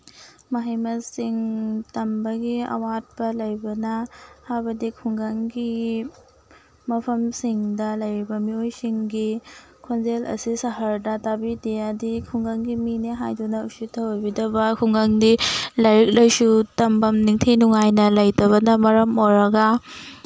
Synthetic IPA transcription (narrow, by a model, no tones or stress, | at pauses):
mɐɦijmɐsiŋtɐmbɐɡiɐ̰wat̚bɐlɐjbɐnɐhajbɐdikʰuŋɡaŋɡi | mɐpʰɐmsiŋdɐlɐjɾibɐmiojsiŋɡi | kʰonzelɐ̰sisɐɦɐɾdɐtabidejadikʰuŋɡaŋɡimineɦajdunɐusutʰɐwjbidɐbɐkʰuŋɡaŋdilɐɾik̚lɐjsutɐmbɐmniŋtʰinuŋajnɐlɐjdɐβɐnɐmɐɾɐmoɾɐɡɐ